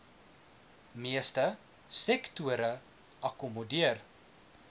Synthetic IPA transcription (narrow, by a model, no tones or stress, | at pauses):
miəstə | sɛktuəɾə | ʔɐkumodiər